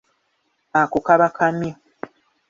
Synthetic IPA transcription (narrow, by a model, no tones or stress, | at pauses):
akukaβakʰami